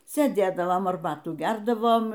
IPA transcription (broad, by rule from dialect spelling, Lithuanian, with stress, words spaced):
sʲeːˈdʲeːdɐʋoːm ɐrˈbɑːtuː ˈɡʲɛrdɐʋoːm